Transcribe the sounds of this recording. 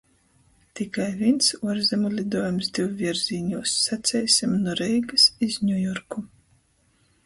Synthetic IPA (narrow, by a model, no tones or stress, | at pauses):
t̪ikajvinsuɔɾzʲɛmulʲid̪uɔjamsd̪iwvʲiɾz̥ʲiːɲuːsːat̪sʲɛjsʲimnɔɾɛjɡasizɲʲujɔɾku